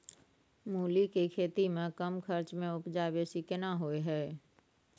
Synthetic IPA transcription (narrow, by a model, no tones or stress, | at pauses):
muːlikekʰeːt̪imẽkɐmkʰɐɾt͡ʃmẽʊpd͡ʒaːbeːsikɪnaɦoːeɦɛː